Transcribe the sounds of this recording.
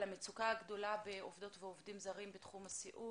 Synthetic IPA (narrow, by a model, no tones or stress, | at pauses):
amet͡sukaaɡdo̞labeovdo̞tveovdimzaʁimbetχumasiʔu